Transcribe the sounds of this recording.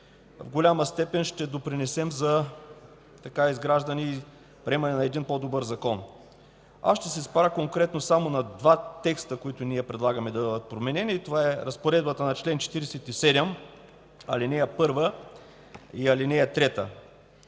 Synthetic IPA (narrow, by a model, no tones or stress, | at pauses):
vɡolʲaməst̪ɛpɛnʃt̪ɛd̪opɾinɛsɛmzɐ | t̪ɐkaizɡɾaʒd̪ɐniː | pɾɛmɐnɛnɐɛd̪inpɔd̪obɤɾzɐkɔn | a̰sʃt̪ɛsɛspaɾəkoŋkɾɛt̪nosamonɐd̪vat̪ɛkst̪əkoit̪ʊniɛpɾɛd̪lˠaɡɐmɛd̪ɐbəd̪ət̪̚pɾomɛnɛniːt̪ovaɛɾɐspoɾɛd̪bət̪ənɐt͡ʃlɛnt͡ʃɛ̥t̪iɾɛsɛt̪isɛd̪ɛm | ɐlinɛjɐpɤɾvə | iɐlinɛjɐt̪ɾɛt̪ə̰